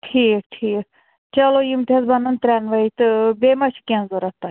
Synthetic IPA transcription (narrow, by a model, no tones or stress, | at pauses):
ʈʰiːk̚ʈʰiːk̚ | t͡ʃɐlojimt̪ʲʰesbɐnɐnt̪ɾʲɛnʋɐit̪ɨbemɐʃʰi̥kʲẽnzoɾɐt̪ːɐ